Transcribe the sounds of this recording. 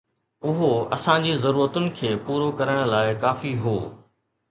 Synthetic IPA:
ʊɦoɐ̰sãd͡ʑiːzɐɾuːɾət̪ʊnɪ̆kʰeːpuːɾokɐɾəɽ̃laːɪkaːfiɦoː

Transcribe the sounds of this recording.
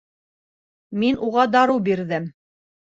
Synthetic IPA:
minʔuʁɑd̪ɑɾɤwbiɾðɘm

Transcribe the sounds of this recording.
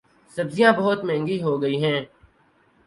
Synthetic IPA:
sɐbzijãbɐɦʊt̪mɛ̃ːŋɡiɦoːɡɐiɦɛ̃ː

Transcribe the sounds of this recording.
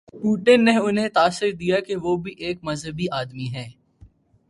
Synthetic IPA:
puːʈɪnːeʊnɦẽt̪aːsɪɾd̪ijakeʋoːbʱiʔeːkmɐzɦəbiaːd̪miɦɛː

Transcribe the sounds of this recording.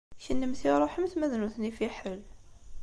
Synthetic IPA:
ʃənːəmθiɾˤoħəmθmæðnuθnifiħəl

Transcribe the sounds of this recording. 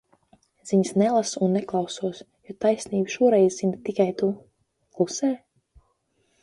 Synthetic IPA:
z̥iɲsnɛlˠasunːɛklˠawsuɔs | jɔt̪ajsniːbʃuɔɾɛjzzint̪ikajt̪u | klˠusɛɾ

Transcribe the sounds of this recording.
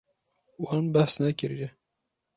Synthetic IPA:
wɑnbæhsnɛkʲɪɾjɛ

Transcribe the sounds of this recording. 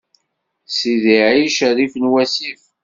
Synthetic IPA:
siðiʕiʃəɾifnwæsif

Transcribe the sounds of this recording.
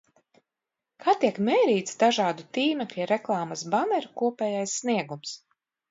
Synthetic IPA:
kʰaːt̪iɛkmɛːɾiːt̪sd̪aʒaːd̪ut̪iːmɛklʲiɾɛklˠɑːmasbanɛɾukuɔpʲɛːjajsːniɛɡums

